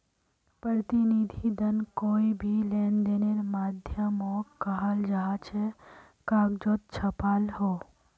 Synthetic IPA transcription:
pɾət̪inid̪ʱid̪ənkoːibʱileːnd̪eːneɾmaːd̪ʱjəmoːkaɦald͡ʒɐɦat͡ʃʰe | kaːɡd͡ʒoːt̪̚t͡ʃʰɐpaːlhoː

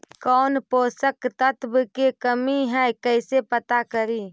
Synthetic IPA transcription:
kɔːnpoːsəkt̪ət̪bkekəmiɦɛjkəɪsepət̪akəɾiː

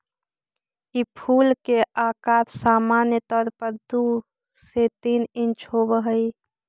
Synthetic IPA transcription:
ipʰuːlkeaːkaːɾsaːmaːnjət̪ɔːɾpəɾd̪u | set̪iːnɪnt͡ʃɦobəɦəi

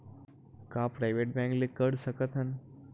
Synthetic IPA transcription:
kapɾajʋeʈ̚bɛ̃ŋklekəɽsəkət̪ən

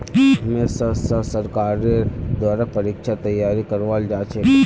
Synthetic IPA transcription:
ɦɐmesasasɐɾkaːɾed̪waːɾapɐɾiːkʃat̪ɐjːaːɾikɐɾʋaːld͡ʒaːt͡ʃʰe

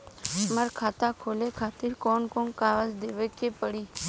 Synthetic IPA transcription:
məɾkʰaːt̪akʰoːleːkʰaːt̪ɪɾkɔːnkõːnkaːʋəzd̪eːʋekepəɽiː

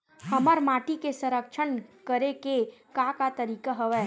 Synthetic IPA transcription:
hɐməɾmaːʈikesə̃ɾəkʃʰənkəɾekekakat̪əɾiːkaɦɐʋɛː

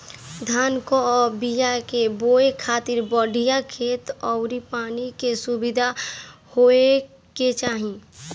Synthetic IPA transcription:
d̪ʱaːnkoɔːbijakeboːekʰaːt̪ɪɾbɔɖʱijakʰeːt̪ɔʊɾipaːnikesubɪd̪ʱahoe | ket͡ʃaːɦĩ

